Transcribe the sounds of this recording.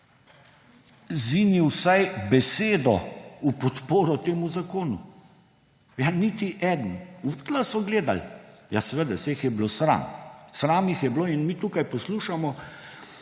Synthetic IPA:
ziːniwsajbɛseːd̪ɔupɔt̪poːɾɔt̪eːmuzakoːnṵ | janit̪iʔɛd̪n̩upt̪lasɔɡleːd̪a̰ljasɛʋəd̪aseːxjɛblosɾa̰ːmsɾaːmjixjɛbloːinmiːt̪uːkajpɔsluːʃamɔ

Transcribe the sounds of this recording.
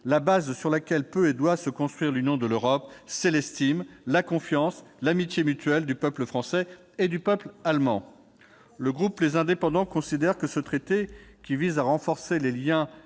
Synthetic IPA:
labazsyʁlakʲɛlpøed̪wasəkɔ̃st̪χɥiʁlynjɔ̃d̪əløʁɔpsɛlɛst̪imlakɔ̃fjɑ̃slamit̪jemyt̪ɥɛld̪ypœpləfχɑ̃sɛ | ed̪ypœplalmɑ̰̃ | ləɡʁuplezɛ̃d̪epɑ̃d̪ɑ̃kɔ̃sid̪ɛʁkəsət̪χet̪ekʲivizaʁɑ̃fɔʁseleljɛ̃

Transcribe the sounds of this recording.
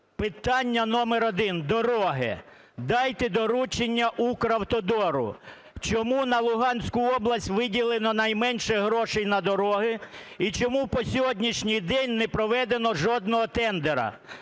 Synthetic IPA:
pɪt̪ɑnʲːɐnɔmeɾɔd̪ɪnd̪ɔɾɔɦɪ̰ | d̪ɑjt̪ɛd̪ɔɾut͡ʃenʲːɐʔukɾɐwt̪ɔd̪ɔɾʊ̰ | t͡ʃɔmunɐlˠʊɦɑnʲsʲkʊɔblˠɐsʲtʲʋɪdʲilˠenɔnɐjmɛnʲʃɛɦɾɔʃɛjnɐd̪ɔɾɔɦɪit͡ʃɔmupɔsʲɔɦɔdʲnʲiʃnʲijd̪ɛnʲnɛpɾɔʋɛd̪enɔʒɔd̪nɔɦɔt̪ɛnd̪eɾɐ̰

